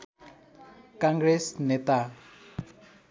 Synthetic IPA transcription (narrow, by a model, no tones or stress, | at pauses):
kãŋɡɾɛsnet̪a